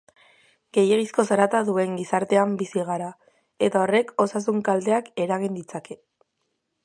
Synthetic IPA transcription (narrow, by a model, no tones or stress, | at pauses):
ɡ̥e̞jeɣisko̞s̬aɾat̪aðue̞ŋɡisaɾt̪e̞ambisiɣ̞aɾa | e̞t̪ao̞re̞ko̞sas̬uŋkald̪e̞ake̞ɾaɣ̞ind̪it͡sake̞